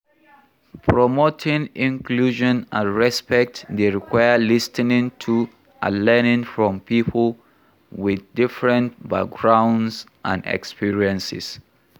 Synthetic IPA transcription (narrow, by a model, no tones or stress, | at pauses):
pʰɹɔmotʰɪ̃ŋĩŋkʰluʒɔ̃nãnɹɛspɛk̚tdeɹikʰwaɪəlistənɪ̃ŋtʰu | ʔa̰lɛnɪ̃ŋfɹɔ̃mpipʰl̩ˠ | wɪðdɪfɹə̃ntba̰k̚ɡɹãʊ̃ndsʔãnɛ̰kspiɹiə̃nsɪ̰s